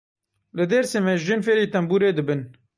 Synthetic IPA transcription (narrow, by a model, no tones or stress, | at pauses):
lɨd̪eɾseːmɛʒɨnfeːɾiːt̪ɛmbuːɾeːd̪ɨbɨn